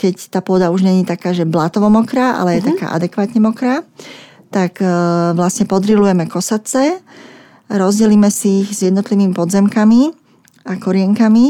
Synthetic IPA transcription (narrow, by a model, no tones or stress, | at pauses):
kɛct̪aːpʊɔd̪auʒɲɛɲiːt̪akaːʒɛblat̪ɔʋɔmɔkɾaʔa̰lɛjɛt̪aka̰ːʔa̰d̪ɛkʋaːt̪ɲɛmɔkɾa | t̪akʋlasɲɛpɔd̪ɾilujɛmɛkɔsat͡sɛ | ɾɔzɟɛliːmɛsiːɣzjɛd̪nɔt̪liʋiːmipɔd̪zɛmkami | akɔɾɪɛŋkami